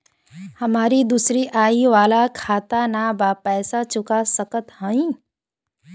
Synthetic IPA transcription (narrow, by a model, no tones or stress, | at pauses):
həmaːɾid̪usɾiʔaːiʋaːlakʰaːt̪anabapɛːsat͡ʃʊkasəkət̪hə̃ĩ